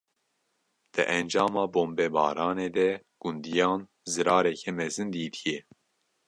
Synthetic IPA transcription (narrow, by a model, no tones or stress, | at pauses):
d̪̥ɨ̰ʔɛnd͡ʒɑːmɑːboːmbɛbɑ̰ːɾɑːneːd̪ɛ | ɡ̥und̪ijɑːn | zɨɾɑːɾɛkʰɛmɛzɨnd̪iːt̪ʰijɛ